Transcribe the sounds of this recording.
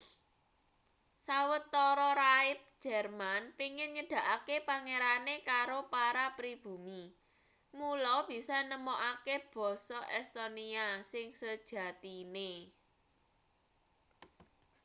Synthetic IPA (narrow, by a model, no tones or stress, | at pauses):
sawət̪ːɔɾɔɾaɪp̚d̥ʒ̥ɛrmanpiŋɪnŋəɖ̥ä̤ʔakepaŋeɾanekaɾopaɾapɾib̥ṳmi | mulɔb̥i̤sɔnəmoʔakeb̥ɔ̤sɔʔɛst̪oniasɪŋsəd̥ʒ̥ä̤t̪ine